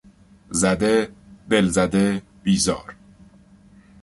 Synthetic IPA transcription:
zæd̪ed̪e̞lzæd̪e | b̥iːzɒ̰ːɾ

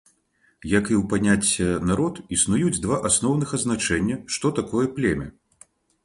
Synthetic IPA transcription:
jɐkiwpanʲat͡sʲːɐnaɾɔt̪isnujud͡zʲd̪vaʔasnɔwnɨxɐznat͡ʂɛnʲːɐʂt̪ɔt̪akɔjɐplʲɛmʲɐ̰

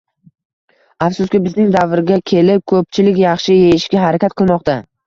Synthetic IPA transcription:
afsʊskʲɪbɪznɪŋd̪avɾɪɡʲakʲʰe̞lɪp̚kʰɵp̚t͡ʃʰɪlɪkʲjɑχʃɪjejɪʃkʲaɦaɾakʲat̪̚qʰɨlˠmɒqt̪a

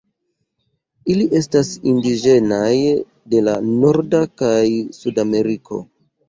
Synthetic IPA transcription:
iliʔe̞stasindiʒe̞naj | de̞lano̞ɾdakajsudame̞ɾiko̞̰

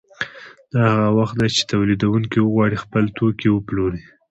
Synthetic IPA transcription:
d̪̥ɑhaɣawaxt̪̚d̪ajt͡ʃe̥t̪awlid̪awuŋkiwəɣwɑɽixpəlt̪okewəploɾi

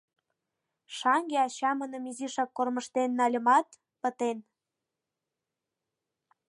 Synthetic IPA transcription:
ʃɑŋɡeɑt͡ɕɑmənə̆miziʃɑkːorməʃt̪enːɑlʲə̆mɑt̪ | pə̆t̪en

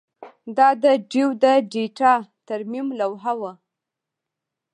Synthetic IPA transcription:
d̪ɑd̪əɖiwd̪əɖeʈɑt̪aɾmimlawɦawə

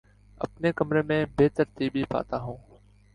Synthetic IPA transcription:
ə̰pneːkəmɾeːmẽːbeːt̪əɾt̪iːbʱiːpa̰ːt̪aːɦũː

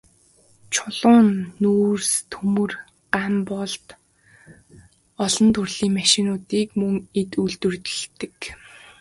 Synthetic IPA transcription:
t͡ɕʰʊɮ̥ʊːnːuːrst̪ʰxɵmɵ̆r | ɢampɔɮt̪ | ɔɮɞ̆nt̪ʰurɮiːŋmaʃɪnʊːt̪iːkmɵŋet̪uɮt̪ɵ̆rt̪ɪ̥̆ɮt̪ɘ̆k

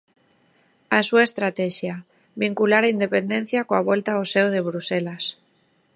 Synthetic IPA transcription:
asuaest̪ɾat̪eʃja | βiŋkulaɾaind̪epend̪en̟θjakoaβ̞welt̪aoseoð̞eβ̞ɾuselas

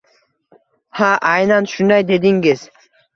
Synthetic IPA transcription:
haʔajnanʃʊnd̪ajd̪e̞d̪ɪŋɡɪz̥

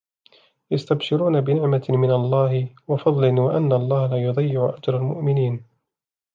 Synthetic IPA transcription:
jast̪abʃɪɾuːnabɪnɪʕmamɪnalˤːɑːhɪwɑfɑd̪ˤlɪnwaʔanːalˤːɑːhalajʊd̪ˤɑjːɪʕʊʔad͡ʒɾˤalmʊ̰ʔmɪniːn

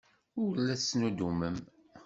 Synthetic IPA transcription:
ʊɾlːæsːnud̪uməm

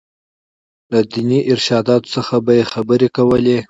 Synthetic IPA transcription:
lad̪iniʔɪɾʃɑd̪ɑt̪o̥səxabajexabəɾekawəle

